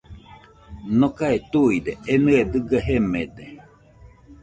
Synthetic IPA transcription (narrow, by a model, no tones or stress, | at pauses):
nokaet̪uid̪eenɨed̪ɨɡaɦemed̪e